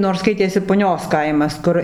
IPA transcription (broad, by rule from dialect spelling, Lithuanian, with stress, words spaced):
noːrs ˈskɐɪtʲeːsʲɪ pʊˈnʲoːs ˈkɐɪmɐs ˈkʊr